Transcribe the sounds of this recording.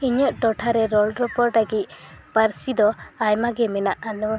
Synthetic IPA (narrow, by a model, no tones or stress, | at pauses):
iɲɔʔʈɔʈʰaɾɛɾɔlɾɔpɔɾʈaɡit̪̚paɾsid̪ɔajmaɡɛmɛnaʔanu